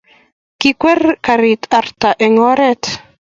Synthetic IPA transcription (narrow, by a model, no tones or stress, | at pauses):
kikwɛrkaɾit̪ʰart̪aʔɛŋɔɾɛt̪